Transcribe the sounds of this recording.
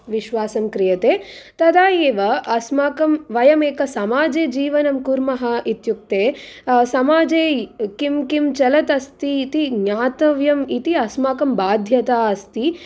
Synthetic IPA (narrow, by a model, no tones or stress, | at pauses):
ʋiʃʋaːsɐmkɾijɐt̪eːt̪ɐd̪aːjeːʋɐɐsmaːkɐmʋɐjɐmeːkɐsɐmaːd͡ʒeːd͡ʒiːʋɐnɐmkuɾmɐɦɐit̪juk̚t̪eːsɐmaːd͡ʒeːkimkimt͡ʃɐlɐt̪ɐst̪iːt̪iɡɲaːt̪ɐʋjɐmit̪iɐsmaːkɐmbaːd̪ʱjɐt̪aːɐst̪i